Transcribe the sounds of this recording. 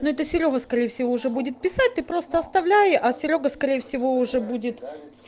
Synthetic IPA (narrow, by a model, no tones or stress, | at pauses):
noɛt̪əsʲɪɾʲo̞ɦəskɐɾʲejəfʲsʲɪvoʊʐɛbudʲɪt̪̚pʲɪsat̚ʲt̪ɨpɾo̞st̪əɐst̪ɐvlʲæjɪʔɐsʲɪɾʲo̞ɡəskɐɾʲejəfsʲɪvo̞ʊʐɛbudʲɪt̪sʲ